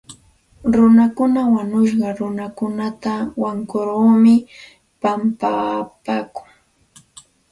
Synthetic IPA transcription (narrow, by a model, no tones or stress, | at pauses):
ɾʊnakʊnawaɲʊʃ̬ɢɑɾʊnakʊnat̪awaŋkoɾɢoːmɪ | pampapaːkʊŋ